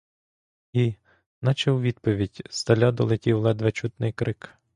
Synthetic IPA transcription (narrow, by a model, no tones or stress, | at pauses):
i | nɐt͡ʃɛwʋʲid̪pɔʋʲidʲst̪ɐlʲad̪ɔlˠetʲiwlˠɛd̪ʋet͡ʃut̪nɪjkɾɪk